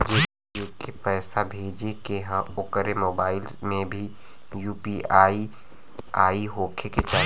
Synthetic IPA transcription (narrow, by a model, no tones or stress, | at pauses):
d͡ʒeː | okepɛːsabʱeːd͡ʒekeɦãʊkəɾemoːbaːɪlmẽbʱi | juːpiaːi | aːiɦoːkʰeket͡ʃaː